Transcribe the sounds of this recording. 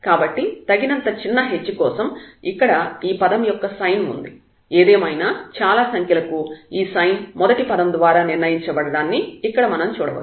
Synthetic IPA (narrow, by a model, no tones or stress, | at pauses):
kaːbɐʈːit̪ɐɡinɐnt̪ɐt͡ʃinːɐɦet͡ʃːukɔːsɐmikːɐɽɐiːpɐd̪ɐmjɔkːɐsɐjnṵnd̪i | eːd̪eːmɐjnaːt͡ʃaːlaːsɐŋkʰjɐlɐkuiːsɐjnmɔd̪ɐʈipɐd̪ɐmd̪ʋaːɾaːniɾnɐjiɲt͡ʃɐbɐɽɐɽaːnːiːkːɐɽɐmɐnɐmt͡ʃuːɽɐ̰ʋɐ̰